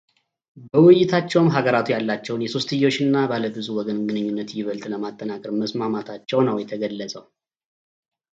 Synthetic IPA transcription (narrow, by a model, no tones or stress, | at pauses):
bəwʊjːɪt̪ʰat͡ʃːɛwmɦaɡəɾat̪ʰujalːat͡ʃːɛwnjɛso̞st̪ɨjːo̞ʃɨnːabaləbɨzuwɔɡənɡɨnɨɲːunːət̪jɪβəlt̪ʼləmat̪ʼːənakʼəɾməsmamat̪ʰat͡ʃːɛwnəwjɛt̪ʰəɡəlːəsʼəw